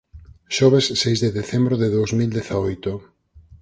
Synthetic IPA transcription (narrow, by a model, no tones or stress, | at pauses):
ʃɔβesːejzðeðeθembɾoðeðowzmild̪eθaojt̪ʊ